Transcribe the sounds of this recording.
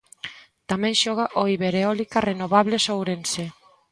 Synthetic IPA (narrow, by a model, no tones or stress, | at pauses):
t̪amɛ̃ŋʃɔɣaʔoiβeɾeɔlikarenoβaβlesowɾense